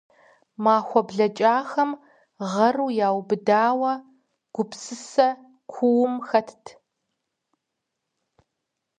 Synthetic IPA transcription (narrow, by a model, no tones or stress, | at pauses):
maːxʷɔbɮɐt͡ʃʼaːxɐm | ʁɐruːjaːwbɨdaːwɐ | ɡ̥ʷʊpsɨsɐ | kʷʰʊwʊmxɐtʰtʰ